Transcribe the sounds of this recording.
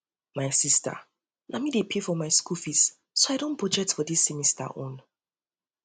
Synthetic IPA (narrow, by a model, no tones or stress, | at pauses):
maɪsistʰa̰ | lʔamidepʰefɔmaɪskufis | soaɪdõnpʰɹɔd͡ʒɛk̚tfɔdisːimista̰ʔõ̰n